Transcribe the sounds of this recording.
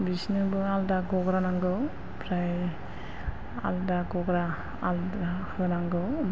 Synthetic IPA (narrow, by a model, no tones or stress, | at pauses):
bisnɯbɯaldaɡɔɡɾanaŋɡɯw | pʰɾaj | a̰ldaɡɔɡɾaː | ldahɯnaŋɡɯw